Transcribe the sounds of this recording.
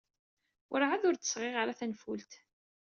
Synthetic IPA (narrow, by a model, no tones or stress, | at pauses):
ʔɾʕaðʊɾt͡s̪ə̥sʁeʁaɾaθænfult̪